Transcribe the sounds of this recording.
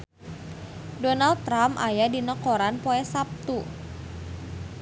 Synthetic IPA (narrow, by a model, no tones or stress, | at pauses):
dɔnal̚t̪ːɾamʔa̰jadinəkɔɾanpɔɛsap̚t̪u